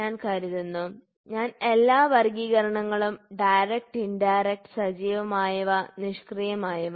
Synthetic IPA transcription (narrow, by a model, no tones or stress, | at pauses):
aːnkaːɾjɐðunːu | ɲaːne̞lːaːʋɐrɡiːɣɐɾɐɳɐŋːɐɭumɖɐjɾek̚ʈiɳɖajɾek̚ʈɨ̥sɐd͡ʑiːʋɐmaːjɐʋɐniʂkrijɐmaːjɐʋɐ